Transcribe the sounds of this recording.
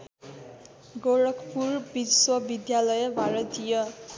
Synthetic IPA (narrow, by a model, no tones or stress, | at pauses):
ɡoɾʌkʰpurbiswʌbid̪jalʌjʌbʱaɾʌt̪ijʌ